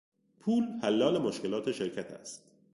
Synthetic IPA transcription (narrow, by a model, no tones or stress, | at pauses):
pʰuːlhælːɒːlemoʃke̞lɒːt̪ʰe̞ʃeɾcʰæt̪ʰæ̰st̪